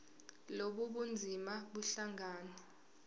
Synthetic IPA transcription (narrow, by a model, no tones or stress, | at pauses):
loɓuɓund͡zʱimaɓuɬaŋaːnɛ